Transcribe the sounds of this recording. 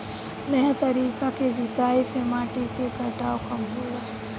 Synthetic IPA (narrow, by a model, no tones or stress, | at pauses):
nɐjt̪ɐɾiːkaked͡ʒʊt̪aːisemaːʈikekɐɾʈaːokɐmɦoːɾ